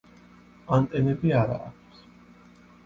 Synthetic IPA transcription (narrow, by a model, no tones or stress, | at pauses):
ant̪ʼɛnɛbiaɾa̰ːk̚ʰs